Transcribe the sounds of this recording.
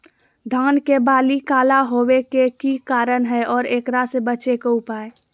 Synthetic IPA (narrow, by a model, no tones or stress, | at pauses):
d̪ʱaːnkebaːlikaːlaɦowekekikaːɾənɦɛʔɔːɾeːkɾasebət͡ʃekoʊpaːe